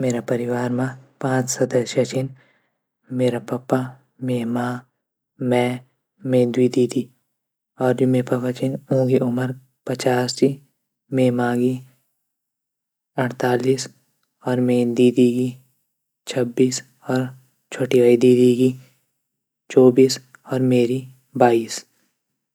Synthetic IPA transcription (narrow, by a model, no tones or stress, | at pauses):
meːɾapɐɾɪʋaːɾmãpãːt͡ʃsɐd̪əʃɐt͡ʃɪn | meːɾapɐpːa | meːmaː | mɛ̃ː | mẽːd̪wiːd̪iːd̪i | ɔːɾd͡ʒumẽpɐpat͡ʃɪnõːɡiʔʊməɾ | pɐt͡ʃaːsd͡ʒi | meːmaːɡi | ɐɽt̪aːliːs | ɔːɾmẽd̪iːd̪iːɡi | t͡ʃʰəbːiːs | ɔːɾ | t͡ʃʰoːʈiʋaːid̪iːd̪iɡi | t͡ʃɔːbiːs | ɔːɾmeːɾi | baːiːs